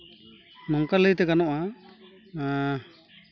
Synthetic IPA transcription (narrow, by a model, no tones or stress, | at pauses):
mɔŋkaləjt̪ɛkanɔʔa